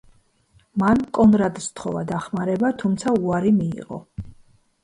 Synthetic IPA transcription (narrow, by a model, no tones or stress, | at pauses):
mankʼɔnɾad̪st̪ʰχɔvad̪aχmaɾɛbat̪ʰumt̪sʰauaɾimḭːʁɔ̰